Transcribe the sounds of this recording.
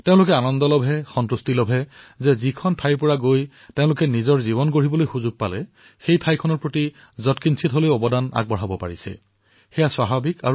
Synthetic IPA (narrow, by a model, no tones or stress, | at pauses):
teʊ̃lʊkɛanɔndɔlɔbʱɛxɔntɹustilɔbʱɛzɛzikʰɔntʰajɹp̬ʊɹaɡoj | tẽʊ̃lʊkɛnizɔɹzibɔnkoɹibɔlojxuzuɡ̚palɛ | xejtʰajkʰɔnɔɹpɹoti | zɔtkinsʰitɦolojɔbɔdana̰ɡ̚bɔɹɦabɔpa̰ɹisɛ̰ | xɛjaswaɦabika̰ɹu